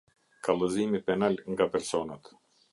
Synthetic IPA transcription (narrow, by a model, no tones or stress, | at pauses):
kʰalˠəzimipɛnalʲŋɡapɛɾsɔnat̪